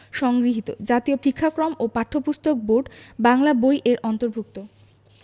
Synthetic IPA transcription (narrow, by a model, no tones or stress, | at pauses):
ʃɔŋɡɾiɦit̪o̰d͡ʑat̪iofikʰːakɾomopaʈʰːopust̪ok̚boɖbaŋlabojʔeɾʔɔnt̪oɾbʱuk̚t̪o